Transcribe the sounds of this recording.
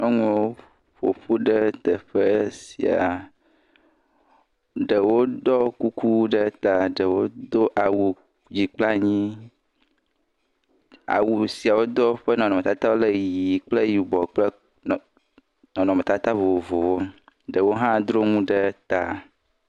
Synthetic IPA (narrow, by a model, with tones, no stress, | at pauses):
e˦ŋũ˨˦wo˦ | ɸo̰˨ɸu˦ɖɛ˦t̪ɛ˨ɸe˦sḭ˨a̰˨ | ɖe˨wo˦d̪ɔ˦ku˦ku˦ɖe˦t̪a˨ɖə˨wo˦d̪o˦ʔa˨wu˨ | d͡ʑi˨k͡pla˦ɲĩ˦ | a̰˨wu˨si˨a˨wo˦d̪ɔ˦ɸe˦nɔ̃˨nɔ̃˨mẽ˨t̪a˦t̪a˦wo˦le˦ji˨k͡ple˦ji˨bɔ˨k͡ple˦ | n˨ | nɔ̃˨nɔ̃˨me˨t̪a˦t̪a˦vo˨o˨vo˨wo˦ɖe˨wo˦ɦã˦d̪ɾo˦ŋũ˦ɖe˦t̪a˨